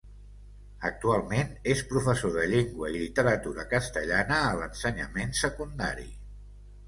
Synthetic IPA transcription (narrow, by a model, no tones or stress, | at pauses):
ək̚t̪ualˠmenespɾufəsoðəʎeŋɡwəilit̪əɾət̪uɾəkəst̪əʎanəːlənsəɲəmensəkund̪aɾḭ